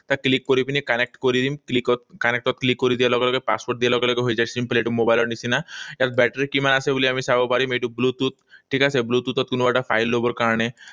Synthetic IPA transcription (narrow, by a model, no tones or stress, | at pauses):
t̪aklikːɔɾipinikənek̚ʈkɔɾid̪imklikɔt̪̚kənek̚ʈ̪ɔt̪̚klikːɔɾid̪ialɔɡlɔkajpa̰spoɾʈ̚d̪ijɛlɔɡlɔkɔɦojd͡ʑat͡ɕsimpleʈumobajlaɽnisinajat̪bɛʈɾikimanaseboliamisaʋɔbaɾimeʈublut̪ut̪̚ʈʰiːkaseblut̪ut̪ɔt̪kunubaʈafajlːobəɾkaɾɳe